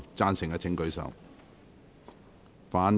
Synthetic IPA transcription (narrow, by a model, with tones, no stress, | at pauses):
t͡saː˥nsɪ˨˩ŋkɐː˧t͡sʰɪ˨˥ŋkɵ˨˧ɥsɐ̰˨w | faː˨˥n